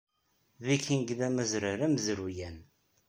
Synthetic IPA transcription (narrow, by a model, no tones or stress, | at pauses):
ðikinɡðæmæzɾaɾæməzɾujæn